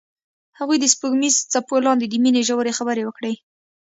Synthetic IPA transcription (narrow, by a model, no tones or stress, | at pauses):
haɣujd̪əspuɡmizt͡sapolɑnd̪ed̪əmineʒawəɾexabəɾewəkɽe